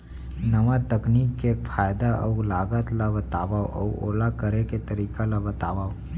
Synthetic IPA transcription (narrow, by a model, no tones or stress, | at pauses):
nəʋat̪əkniːkːekpʰaːjd̪aʔə̰ulaːɡət̪labət̪aːʋaoʔə̰uo̰ːlakəɾeket̪əɾiːkalabət̪aːʋaːo